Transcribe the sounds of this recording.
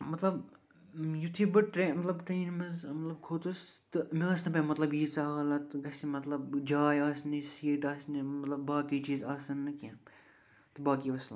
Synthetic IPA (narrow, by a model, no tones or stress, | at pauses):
mɐt̪lɐb | jut̪ʰibɨʈɾemɐt̪lɐbʈɾeːnmɐzmɐt̪lɐb̚kʰoːt̪ɨst̪ɨmeɐːsnɐpʲẽmɐt̪lɐbjiːt͡saːɦlɐt̪ɨɡɐsimɐt̪lɐbd͡ʒaːjaːsnisiːʈaːsnimɐt̪lɐbːaːkit͡ʃiːzaːsɐnːɨkã | t̪ɨbaːkiːʋɐsl